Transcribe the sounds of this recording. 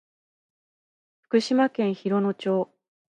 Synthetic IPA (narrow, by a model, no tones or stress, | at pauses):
ɸɯ̥kɯ̟ɕimakẽ̞ɰ̃çiɾo̞no̞t͡ɕo̞ː